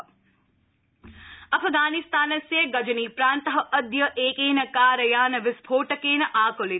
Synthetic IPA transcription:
ɐfʰɡaːnɪst̪aːnɐseɡɐd͡ʒɐniːpɾaːnt̪ɐɦɐʔɐd̪jɐʔeːkeːnɐkaːɾɐjaːnɐʋɪspʰoːʈɐkeːnɐʔaːkoli

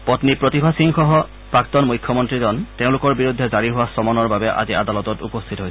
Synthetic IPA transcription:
pɔtnipɹotibʱasiŋxɔɦɔ | pɹak̚tɔnmujkʰːjɔmɔntɹizɔnteʊ̃lʊkɔɹbiɹudʱːɛzaɹiɦʊwasɔmɔnɔɹbabɛʔa̰zia̰d̪alɔtɔtupɔst̪ʰitɔɦo

